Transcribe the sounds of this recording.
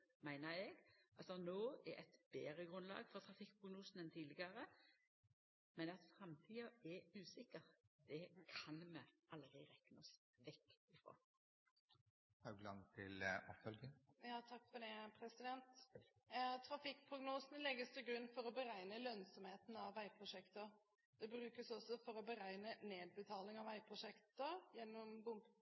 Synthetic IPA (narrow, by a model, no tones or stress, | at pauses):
mæɪnəɾɛɡʔɑlsɔnoːɛ̰ʔɛt̪beːɾəɡʁʉnlɑ̰ːɡfɔʁt̪ʰʁɑfɪkːpʰʁʊɡnuːsnɛnt̪ʰiːlɪɡəʁə | mɛnɑt̪sɑmt̪ʰiːɑɛʉːsɪkəʁd̪̥ɛkʰɑnmɛʔɑlʁɪʁɛkːnɑs | ʋɛkːɪfʁo̰ː | hɑd̪ʉɡlɑ̰ŋt̪ʰɪlʔɔ̰pfœlɡəjɑːt̪ʰɑkːfɔd̪ɛpʰɾɛsɪd̪ɛnt̪ | t̪ʰɾɑfɪk̚ːpʰɾʊɡnuːsnəlɛɡəst̪ʰɪlɡɾʉnːfɔɾɔbəɾæɪnəlœnsɔmheːt̪n̩ɑʋæɪpʰɾʊʂɛkt̪ə | d̪̥ɛbɾʉːkəsɔsːɔfɔɾɔbəɾæɪnəneːd̪̚bət̪ʰɑːlɪŋɑʋæɪpʰɾʊʂɛkt̪əjɛnːɔmbʊmb